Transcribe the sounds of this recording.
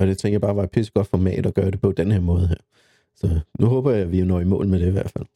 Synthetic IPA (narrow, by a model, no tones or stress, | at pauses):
ɒ̽d̥e̝t͡sʰeŋɡ̥ɐjɐbɑ̈ːʋɑ̈pʰesə̥ɡ̥ɒ̽d̥fɒmɛ̰ːd̥ɒɡ̥ɶːɐɾ̥e̝pʰɒ̽d̥enheɐmɔ̽ːð̞̩ˠɦeɐ̰ | sɒ̽nuɦɔːb̥ɐjɑ̈ʋijonɒ̰ːimɔ̰̽ːl̩meɾ̥e̝iʋæɐ̰̥fæl̰